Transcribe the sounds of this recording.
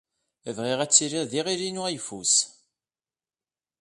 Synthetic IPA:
əvʁiʁæt͡sːiɾiðiʁiɾinuæjfus

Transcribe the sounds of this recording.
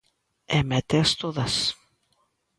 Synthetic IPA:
emet̪est̪oðɐs

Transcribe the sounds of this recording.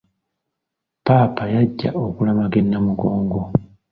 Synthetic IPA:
paːpajaɟːa̰okulamaɡenːamuɡo̞ːŋɡo

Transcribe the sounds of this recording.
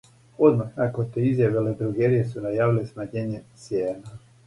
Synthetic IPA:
o̞d̪maxnakot̪eizjaʋeled̪ɾuɡeɾijesunajaːʋilesnaɲeɲet̪sjeːna

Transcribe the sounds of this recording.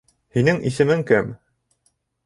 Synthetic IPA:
hinɘŋisɘ̆mɘŋkæm

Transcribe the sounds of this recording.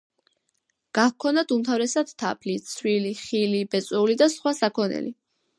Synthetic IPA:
ɡ̥ahkʰɔnad̪umt̪ʰavɾɛsad̪̥t̪ʰa̰pʰlit̪sʰwiliχilibɛt̪sʼwɛulid̪asχwasakʰɔnɛ̰li

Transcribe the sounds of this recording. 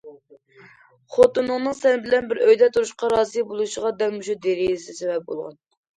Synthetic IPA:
χot̪unːɨŋnɨŋsɛnɪbɪlɛnbɪɾøjd̪ɛt̪ʰuɾuʃqɑɾɑːzijbolˠuʃəʁɑd̪ɛlmuʃud̪eɾilɪsɪsɛvɛp̚bo̰lˠʁɑ̰n

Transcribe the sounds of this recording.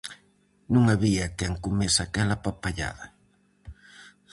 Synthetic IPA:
nũŋaβiat̪ɛeŋkumesakɛlɐpapaʎa̰ðɐ

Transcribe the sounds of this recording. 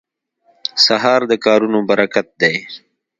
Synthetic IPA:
saɦɑːɾd̪əkɑːɾunobɐɾakat̪̚d̪ej

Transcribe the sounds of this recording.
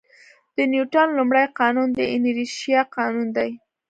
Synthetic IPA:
d̪̥ənjuʈanlumɽajqɑnund̪əɪniɾiʃijɑqɑnund̪aj

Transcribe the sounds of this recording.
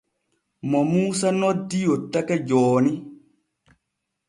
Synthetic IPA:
mɔmuːsanɔdijot̪ːakɛd͡ʒɔːni

